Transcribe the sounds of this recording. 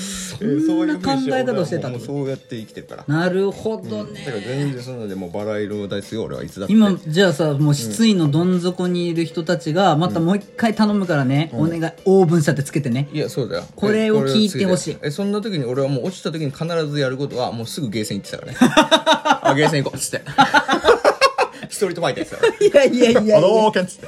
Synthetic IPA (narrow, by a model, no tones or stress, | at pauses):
soːakãŋɡaekat̪aoɕit̪e̞t̪ãoːjat̪ːe̞ikʲi̥t̪e̞ɾɯ̟̥ka̰ɾa̰naɾɯ̟ho̞d̪o̞t̪ekazẽ̞nd͡zẽsonand̪emoːbaɾaiɾod̪aisɨjo̰ːɾḛa̰ḭt͡sɨd̪aimad͡ʑaːsamoːɕi̥t͡sɨino̞d̪õ̞nd͡zo̞koɲ̟iːɾɯ̟çi̥t̪o̞t̪at͡ɕiɡamat̪amo̞ikːait̪ano̞mɯ̟kaɾane̞one̞ɡaoːbɯ̟̃ɕat̪ːe̞t͡sɨ̥ke̞t̪e̞neijaso̞ːd̪a̰jo̰ko̞ɾe̞o̞ɾkʲʰiiːt̪e̞ho̞ɕiːesõ̞nːat̪̬o̞kʲiɲ̟io̞ɾe̞βamo̞ːot͡ɕi̥t̪at̪okʲiɲ̟ikʰanaɾazɨjaɾɯ̟ko̞t̪o̞βa̰mo̞ːsɨɡɯ̟ɡe̞ːsẽit̪ːe̥t̪aka̰ɾne | aɡe̞ːs̬ẽikoɨ̥t̪ːe | çi̥t̪oɾit̪obait̪ast̪a̰ijaijaiaokẽnt͡sɨ̥e